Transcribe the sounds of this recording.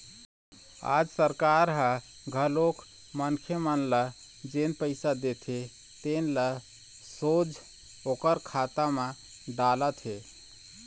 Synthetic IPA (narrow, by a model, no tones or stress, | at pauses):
a̰d͡ʒsəɾkaɾɦə | ɡʱəlok | mənkʰjəmənlə | d͡ʒenpəɪsad̪et̪ʰe | t̪enlə | sod͡ʒ | okəɾkʰat̪amẽ | d̪alət̪ɦe